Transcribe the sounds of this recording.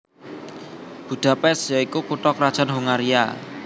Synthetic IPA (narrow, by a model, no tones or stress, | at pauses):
b̥uɖ̪̥ä̤pɛsjaikukuʈɔkɾad̥ʒ̥a̤nɦuŋaɾia̰